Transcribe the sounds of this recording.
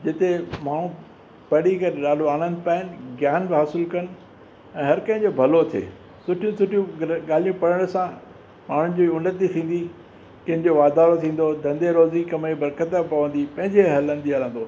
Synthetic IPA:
d͡ʑɪt̪emaːɳ̤ũ | pɐɽikɐɾeɗaːɗoaːnə̃nd̪paːɪnɪ̆ɡjaːnbɦaːsɪlkɐnɪ̆ | ɛ̃ːɦɐɾkɐ̃ɦɪ̃ɲd͡ʑobʱɐlot̪ʰḛː | sʊʈʰijũsʊʈʰijũɠaːl̤ijũpɐɽəɽ̃sã | maːɳ̤ʊ̃nɪ̆d͡ʑoʊnət̪it̪ʰĩːn̆d̪i | kɐ̃ɦɪ̃nd͡ʑoʋaːd̪aːɾot̪ʰĩːn̆d̪od̪ʱɐ̃nd̪eɾoːzikɐmebɐɾkət̪əpɐʋə̃n̆d̪ipɐ̃ɦɪ̃ɲd͡ʑeɦɐlə̃nd̪iɐlə̃n̆d̪oː

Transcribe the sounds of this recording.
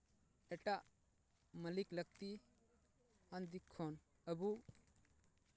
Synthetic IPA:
ɛʈaʔ | məlikləɡ̚t̪i | and̪ikʰːoːn | əbu

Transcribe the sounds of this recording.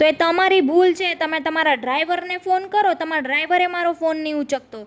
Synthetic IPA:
t̪oet̪əmaɾibʱult͡ʃʰet̪əmet̪əmaɾaɖɾaiʋəɾnefonkəɾot̪əmaɖɾaiʋəɾemaɾofonːiut͡ʃək̚t̪o

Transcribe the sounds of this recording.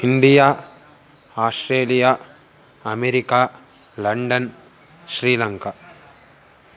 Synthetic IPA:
ɪnɖ̪ɪjaː | aːsʈɾeːlɪja | ɐmɛɾɪkːaː | lɐɳɖɐn | ʃɾiːlɐŋka

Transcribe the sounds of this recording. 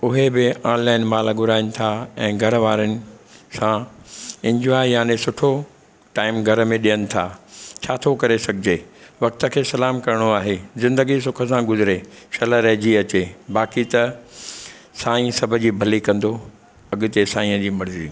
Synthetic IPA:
ʊɦebɪãːnlaːɪnmaːlɡʊɾaːɪnɪ̆t̪ʰaɛ̃ːɡʱɐɾəʋaːɾənɪ̆sãɪ̃ɲd͡ʑuaːjaːnẽsʊʈʰo | ʈaːɪmɡʱɐɾəmẽɗijənɪ̆t̪ʰa̰ːt͡ɕʰaːt̪ʰokɐɾesɐɡʱɪd͡ʑeːʋɐk̚t̪ə̆kʰeːsɐlaːmkɐɾɪɽ̃oaːɦezɪ̃nd̪əɡisʊkʰəsãɡʊzɪɾeʃɐləɾɐɦd͡ʑiɐt͡ɕebaːkit̪ɐ | saːĩsɐbʱʊ̆d͡ʑiːbʱɐlikɐ̃nd̪o | ɐɠʊ̆t̪esaːĩːə̃d͡ʑiːmɐɽɪziː

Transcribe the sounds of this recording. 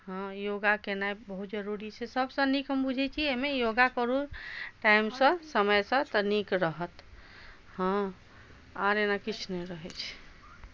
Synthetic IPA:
hə̃joɡakenajbəɦut̪̚d͡ʒəɾuɾit͡ʃʰɛsəbsə̃nikɦəmbud͡ʒʱɛt͡ʃʰiemejoɡakəɾuʈaimsə̃səməjsə̃t̪ənikɾəɦət̪ | hə̃ | aɾenakit͡ʃʰnɛɾəɦɛt͡ʃʰ

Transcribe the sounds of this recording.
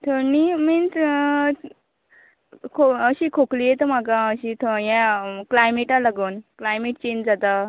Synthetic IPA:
t̪ʰonimins | kʰoəɕikʰokliːjet̪om̤akaəɕit̪ʰojãklajmeʈalaɡoːnklajmeʈt͡ɕẽɲd͡ʑd͡zat̪a

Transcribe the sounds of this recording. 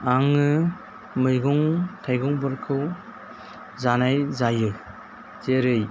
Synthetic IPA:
aŋɯ | mɯjɡɔŋtʰajɡɔŋbɯɾkʰɯw | zanajzajɯ | zeɾɯj

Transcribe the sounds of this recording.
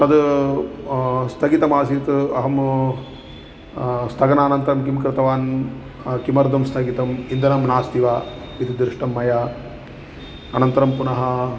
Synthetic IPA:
t̪ɐd̪ | st̪ʰɐɡit̪ɐmaːsit̪ɐɦɐm | st̪ʰɐɡɐnaːnɐnt̪ɐɾɐmkimkɾɨt̪ɐʋaːn | kimɐɾd̪ʱɐmst̪ʰɐɡit̪ɐmind̪ɐnɐmnaːst̪iʋaː | it̪id̪ɾɪʂʈɐmːɐjaː | ɐnɐnt̪ɐɾɐmpunɐɦɐ

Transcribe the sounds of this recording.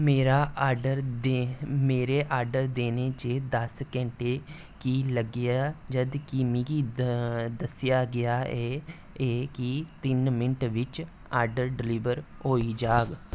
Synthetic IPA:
meːɾaːaːɖəɾd̪meːɾeːʔaːɾɖəɾd̪eːneːt͡ʃeːd̪əskɛ̃ːɳʈeː | kiːləɡɪaːd͡ʒəd̪kimiki | d̪əsɪjaːɡɪjaːɛː | eːkɪt̪ɪnmɪnəʈʋɪt͡ʃ | aːɾɖəɾɖɪliːʋəɾɦoːiːd͡ʒaːɡ

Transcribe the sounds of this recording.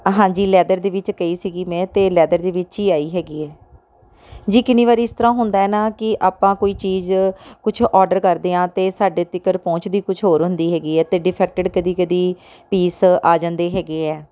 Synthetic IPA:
ɦãːd͡ʒiːlɛːd̪əɾd̪eːʋɪt͡ʃkəiːsiːɡiːmɛ̃ːt̪eːlɛːd̪əɾd̪eːʋɪt͡ʃiːaːiːɦɛːɡiːɛː | d͡ʒiːkɪniːʋaːɾiːst̪əɾãːɦʊnd̪aːɛːnaːkɪʔaːpãːkoːiːt͡ʃiːzkʊt͡ʃʰɔːɖəɾkəɾd̪eːãːt̪eːsaːɖeːt̪ɪkəɾpɔ̃ːt͡ʃd̪iːkʊt͡ʃʰɦoːɾɦʊ̃nd̪iːɦɛːɡiːɛːt̪eːɖɪpʰɛːk̚ʈəɖkəd̪iːkəd̪iːpiːsaːd͡ʒãːnd̪eːɦɛːɡeːɛː

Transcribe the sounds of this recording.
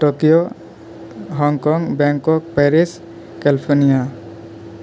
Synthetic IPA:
ʈokijo | ɦɔŋkɔŋbɛŋkɔk̚paɾis | kɛlipʰɔnija

